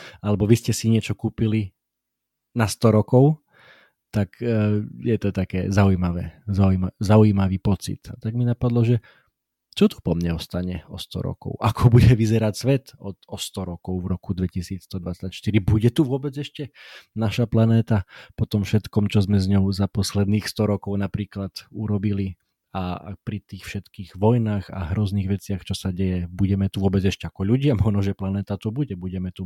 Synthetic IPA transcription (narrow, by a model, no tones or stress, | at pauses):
alɛbɔʋiscɛsiɲɪɛt͡ʃɔkuːpili | nast̪ɔɾɔkɔʊ | t̪akjɛt̪ɔt̪akɛːzaujimaʋɛːzauimazauimaʋiːpɔt͡sḭt̪at̪aɡminapad̪lɔʒɛ | t͡ʃɔt̪u̥pɔmɲɛɔst̪aɲɛɔ̰st̪ɔ̰ɾɔ̰kɔ̰ʊʔakʰɔbuɟɛʋizɛɾacsʋɛt̪ɔt̪ɔst̪ɔɾɔkɔʊvɾɔkud̪ʋɛcisiːt͡sst̪ɔd̪ʋat͡sacʃt̪iɾibuɟɛt̪uʋʊɔbɛd͡zɛʃcɛnaʃaplanɛːt̪apɔt̪ɔmfʃɛt̪kɔmt͡ʃɔzmɛzɲɔʊzapɔslɛd̪niːxst̪ɔɾɔkɔʊnapɾiːklat̪uɾɔbili | a̰pɾit̪iːxfʃɛt̪kiːɣʋɔjnaːxa̰ɦɾɔzniːɣʋɛt͡sɪaxt͡ʃɔsaɟɛjɛbuɟɛmɛt̪uʋʊɔbɛd͡zɛʃcɛakɔʎuɟɪamɔʒnɔʒɛplanɛːt̪at̪ubuɟɛbuɟɛmɛt̪u